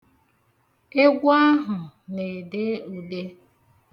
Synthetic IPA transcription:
e˦ɡʷa˦ɦʊ˨ne˨de˦u˨le˦

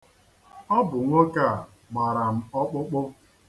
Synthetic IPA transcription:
ɔ˦bʊ˨ŋʷo˦ka˦˨ | ma˨ɾa˨m̩˦ɔ˦k͡pʊ˦k͡pʊ˦

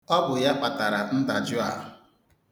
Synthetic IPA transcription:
ɔ˦bʊ˨ja˦k͡pa˨ta˨ɾa˨n̩˦da˨d͡ʒʊ˦a̰˨ɦʊ˨

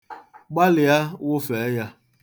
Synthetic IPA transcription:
ɡ͡ba˦lɪ˨a˦wʊ˦fɛ˨˦ja˦

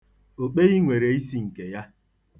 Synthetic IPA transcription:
o˨k͡pe˦ɣi˦ŋʷe˨ɾe˨i˦si˦ŋ̩˨ke˨ja˦

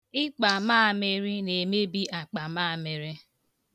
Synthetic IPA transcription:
ɪ˦k͡pa˨maː˦˨me˦ɾi˦ne˨me˦bi˦ʔa˨k͡pa˨maː˦˨me˨ɾe˦

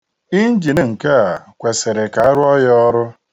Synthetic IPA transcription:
i˦n̩˦d͡ʒi˨ne˨ŋ̩˨ke˦a˨kʷe˨se˨ɾe˨ka˨a˦ɾʊ˦ɔ˦jɔ˦ɔ˦ɾʊ˦

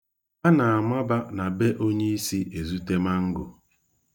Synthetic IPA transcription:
a˦na˨a˨ma˦ba˦na˨be˦ʔo˦ɲe˦i˦si˦ʔe˨zu˦te˦ma˦ŋ̩˦ɡʊ̰˨

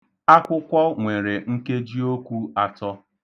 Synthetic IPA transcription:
a˦kʷʊ˦kʷɔ˦ŋʷe˨ɾe˨ŋ̩˦ke˦d͡ʒi˦o˦kʷu˦a˦tɔ˦

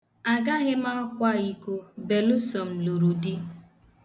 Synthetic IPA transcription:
a˨ɡa˦ɣe˦ma˦kʷa˦˨i˦ko˦be˨lʊ˦sɔ˨m̩˨lo˨ɾu˨di˦

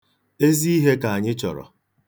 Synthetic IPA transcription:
e˦zi˦i˦ɦe˦ka˨a˨ɲɪ˦t͡ʃɔ̰˨ɾɔ̰˨

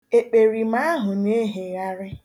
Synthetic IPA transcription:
e˨k͡pe˨ɾi˨ma˦a˦ɦʊ˨ne˦ɦe˨ɣa˦ɾɪ˦

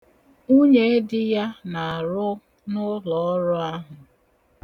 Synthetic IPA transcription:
u˦ɲe˦e˦dɪ˦ja˦na˨a˨ɾʊ˦ | nʊ˦lɔ˨ɔ˦ɾɔ˦a˦ɦʊ˨

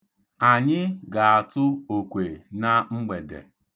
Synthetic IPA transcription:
a˨ɲɪ˦ɡa˨a˨tʊ˦o˨kʷe˨na˦ŋ͡m̩˦ɡ͡be˨dḛ˨

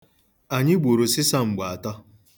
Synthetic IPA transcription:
a˨ɲɪ˦ɡ͡bo˨ɾo˨sɪ˦sa˦ŋ͡m̩˨ɡ͡ba˨tɔ˦

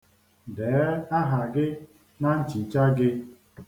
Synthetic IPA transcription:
dɛː˨˦a˦ɦa˨ɡɪ˦ | na˦n̩˦t͡ʃi˨t͡ʃa˦ɡɪ˦

